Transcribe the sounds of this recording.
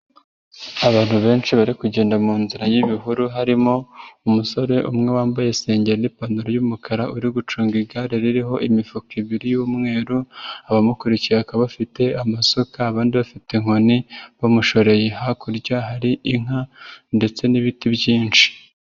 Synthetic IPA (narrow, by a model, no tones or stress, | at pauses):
aβaːn̥huβe̞ːnʃiβaɾikuɟeːndamuːnziɾajiβiɦuɾuɦaɾimo̞umuso̞ɾe̞ʔumŋe̞waːmbaje̞se̞ːɲɟeɾenipanduɾojumukaɾaʔuɾiɡut͡ʃuːŋɡiɡaɾeɾiɾiɦo̞ʔimifukiβiɾijumŋe̞ːɾuaβamukuɾiciɾakaβafite̞amasokaːβaːndiβafiteŋ̥ho̞niβomuʃo̞ɾe̞jeɦakuɾɟaɦaɾiʔiŋ̥ande̞t͡se̞niβitiβɟiːnt͡ʃi̥